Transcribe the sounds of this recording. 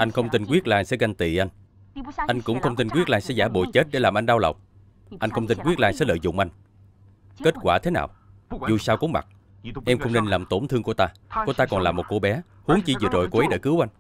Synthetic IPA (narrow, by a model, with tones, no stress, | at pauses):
ʔa˧jŋ̟xə˧wŋ͡mt̪i˧n̟kwi˦˥ət̚laː˧jsɛ̰˧˥ɣa˧ŋ̟t̪ḭ˧˨ʔa˧jŋ̟ | ʔa˧jŋ̟kʊ̰˧˥wŋ͡mxə˧wŋ͡mt̪i˧nkwi˦˥ət̚laː˧jsɛ̰˧˥zaː˧˩ɓo̰˧˨t͡ɕe˦˥t̚ɗe˧˩laː˨˩mʔa˧ŋ̟ɗaː˧wlə̰˨˩wŋ͡m̚ | ʔa˧jŋ̟xə˧wŋ͡mt̪i˧nkwi˦˥əlaː˧jsɛ̰˧˥lə̰ː˧˨jzʊ̰˧˨ŋ͡mʔa˧jŋ̟ | ke˦˥t̚kwaː˧˩t̪ʰe˨˦naː˨˩wzu˨˩saː˧wkʊ̰˨˥ŋ͡mma̰˨˩ | ʔɛ˧mxə˧wŋ͡mne˧nlaː˨˩mt̪o˧˩nt̪ʰɨ˧əŋku˧˩ət̪aː˧kət̪aː˧kɔ˨˩nlaː˨˩mo˨˩t̚ko˧˩ɓɛ˨˦ | hu˨˦əŋt͡ɕi˧zɨ˨˩t̚ɗo̰˨˩jko˧ʔə˨˦ɗḛ˧˩kɨ˨˦wʔa˧jŋ̟